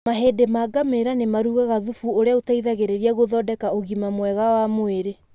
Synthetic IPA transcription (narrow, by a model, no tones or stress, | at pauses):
maɦedemaɡameɾanemaɾuɣaɣaðufuoɾeaotaiðaɣeɾeɾiaɣoðɔdɛkaoɣimamwɛɣawamoeɾe